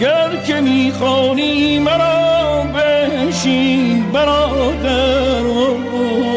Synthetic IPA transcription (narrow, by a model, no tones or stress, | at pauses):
æɾkʰemiːxɔːniːmæɾɔːbeʃiːbæɾɒːd̪æɾo